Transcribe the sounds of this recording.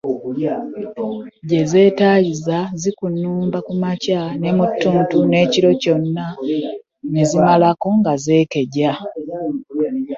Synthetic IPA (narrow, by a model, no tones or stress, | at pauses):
ɟe̞ze̞ːtaːjizazikunːuːmbakumacane̞mutːuːntune̞ːciɾo̞co̞nːa | nezimalako̞ŋɡaze̞ːke̞ɟa